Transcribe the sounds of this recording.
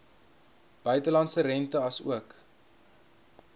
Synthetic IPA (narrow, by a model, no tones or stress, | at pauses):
b̥œɥtəlɐntsərɛntəɐsṵək